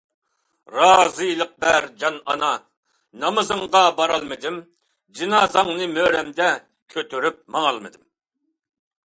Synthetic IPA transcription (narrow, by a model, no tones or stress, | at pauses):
ɾɑːzɨjlˠəq̚bæɾd͡ʒɑnɑ̰nɑ | nɑmɨzɨŋʁɑbɑɾɑlˠmɨd̪ɪm | d͡ʒinɑːzɑŋnɨmøɾɛmd̪ɛ | kʲʰøt̪ʰyɾyp̚mɑŋɑlˠmɨd̪ɨm